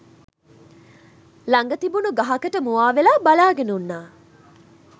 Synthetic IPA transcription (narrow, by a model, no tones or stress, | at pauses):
lɐŋɡət̪ibunuɡɐɦɐkəʈəmuʋaːʋelaːbalaːɡenunːaː